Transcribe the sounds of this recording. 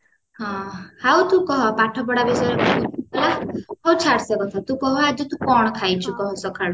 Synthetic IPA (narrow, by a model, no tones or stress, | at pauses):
ɦɔ̃hawt̪ũkɔɦɔpaʈʰɔpɔɽabesɔɾɔkɔɦut̪ualaɦɔwt͡ʃʰaɽsekɔt̪ʰat̪ũkɔɦɔad͡ʒut̪ũkɔɳ̃kʰajt͡ʃʰukɔɦɔsɔkʰaɽu